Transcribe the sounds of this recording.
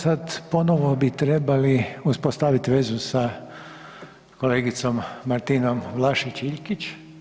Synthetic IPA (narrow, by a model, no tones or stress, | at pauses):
sad̪po̞noʋobit̪ɾebaliuspost̪aʋit̪ʋezusa | koleːɡit̪so̞mːaɾt̪ino̞mʋlˠaʃit͡ʃiʎkit͡ʃ